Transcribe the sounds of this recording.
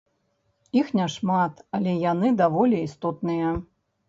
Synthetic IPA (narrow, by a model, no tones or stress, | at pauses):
ixnʲɛʂmat̪ɐlʲɛjanɨd̪avɔlʲiist̪ɔt̪nɨjɐ